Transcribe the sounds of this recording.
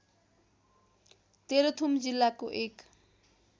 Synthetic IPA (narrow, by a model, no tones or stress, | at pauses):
t̪eɾot̪ʰumd͡zilːakoʔek